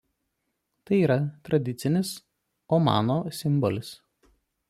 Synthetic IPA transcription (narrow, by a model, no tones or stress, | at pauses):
t̪ɐɪiːɾɐt̪ɾɐd̪ʲɪt̪sʲɪnʲɪs | omɑ̰ːnoːsʲɪmbɔlʲɪs